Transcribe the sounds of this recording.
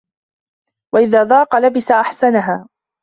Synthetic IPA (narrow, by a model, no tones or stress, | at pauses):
waʔɪðaːd̪ˤɑːqɑlabɪsaʔaħsanaɦaː